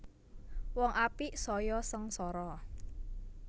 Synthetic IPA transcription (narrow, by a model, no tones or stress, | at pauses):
wɔŋʔapisɔjɔsəŋsɔɾɔ